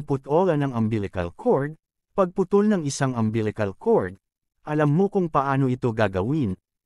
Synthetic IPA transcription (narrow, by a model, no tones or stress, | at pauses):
ŋpʊt̪ʔo̞ɾɐnɐŋɐmbɪlɪkɐ̰lkʰoɹd̪̚ | pɐɡ̚pʊt̪ʊlnɐŋɪsaŋɐmbilɪkɐlkʰoɹd̪̚ | ʔɐlɐmːokʊŋpɐʔaːno̞ɪt̪o̞ɡaːɡɐwin